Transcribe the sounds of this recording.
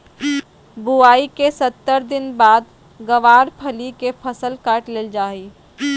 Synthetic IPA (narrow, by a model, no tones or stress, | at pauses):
buaːikesət̪ːəɾd̪ɪnbaːd̪ | ɡəʋaːɾpʰəlikepʰəsəlkaːʈleːld͡ʒaːi